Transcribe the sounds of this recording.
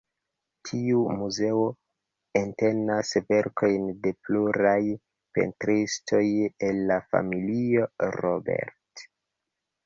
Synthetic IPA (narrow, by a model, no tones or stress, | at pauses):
tʰiumuze̞o | ente̞nasve̞ɾkʰo̞jnde̞pluɾaj | pḛntɾistʰo̞je̞lːafa̰milio̞ɾobe̞̰ɾt